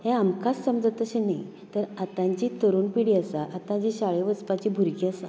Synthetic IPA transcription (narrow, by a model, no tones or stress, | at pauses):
hẽamkasːəmd͡zət̪əɕenaj | t̪əɾat̪ãɲt͡ɕiːt̪əɾuːnpiɽiasaʔat̪ãt͡ɕiːɕaɭeʋəspat͡ɕiːbʱuɾkiasa